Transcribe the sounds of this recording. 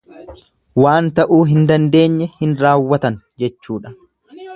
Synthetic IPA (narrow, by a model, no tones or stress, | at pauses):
waːnt̪ɐʔuːɦɪnd̪ɐnd̪e̞ːɲːɛhɪnɾaːwːɐt̪ɐn | d͡ʒɛt͡ʃːuːᶑɐ̥